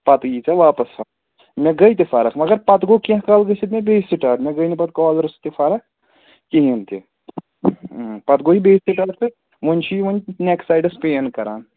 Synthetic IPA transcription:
pɐt̪jit͡ʃaʋaːpɐsa | mʲẽɡɐjt̪̬efʰaːɾɐkʰmɐɡɐɾpɐt̪ɡokĩkaːlɡɐsit̪mʲẽbeːsiʈaːɾmẽɡɐjnipɐt̪̚kɔːlɾst̪efʰaːɾɐk̚ʰ | kiɦint̪e | pɐt̪ɡoɦibeːseʈaːɾt̪ʰe | ʋunʲt͡ʃʰiʋunneksaːjɖɐspeːnkɐɾaːn

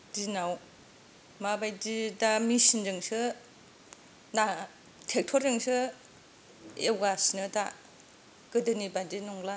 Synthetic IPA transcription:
dinaw | mabajdidamisind͡ʒɯŋsɯ | na | tʰek̚tʰɔɾeŋsɯ | ewɡasinɯta | ɡ̥ɯdɯnibadinɔŋla

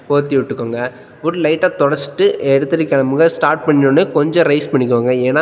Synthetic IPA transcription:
poːɾt̪ːiʋɪʈːɯkːoːŋɡɐ | bʊɽlɐɪʈːaːt̪ɔɽɐɾt͡ʃɪ̥ʈːɯʔɛɽɯt̪ːɯɾɯkːɐnɐmɯɡɐsʈaːɾʈ̚pɐɳːɪnonːɯkɔɲd͡ʒɔ̃ɾɐɪspɐɳːɪk̬ːɯʋaːŋɡɐeːnaː

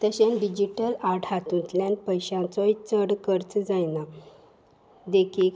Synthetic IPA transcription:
t̪əɕãnɖid͡ʑiʈəlaʈʰat̪ũnt̪ljãnpəjɕãnt͡soit͡səɽkəɾt͡sd͡zajna | d̪ekʰiːk

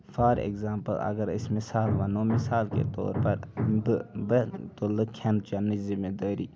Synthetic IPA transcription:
fʰaːɾḛɡzaːmpə̰lɐ̰ɡəɾɪ̰smɪsaːlʋɐnoːmɪsaːlkḛt̪o̰ːɾpɐɾbbət̪oːləkʰãnt͡ʃanizimeːd̪aːɾḭː

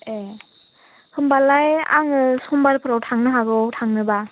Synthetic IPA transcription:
e | hʰɯmbalaja̰ŋɯsombaɾɯpʰɯɾawtʰaŋnɯɦaɡɯwtʰaŋnɯba

